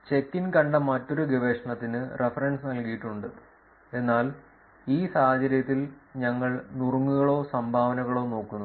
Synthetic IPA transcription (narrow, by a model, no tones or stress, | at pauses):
t͡ɕe̞kːinkɐɳɖɐmɐtːo̞ɾuɡiʋeːʂɐɳɐt̪ːinɨre̞fɐrɐɳɖsnɐlkijiʈːuɳɖɨ | e̞nːaːl | iːsaːhɐt͡ɕɐɾjɐt̪ːilɲɐŋːɐɭnurŋːuɣɐɭo̞ːsɐmbʱaːʋɐnɐɣɐɭo̞ːno̞ːkːunːu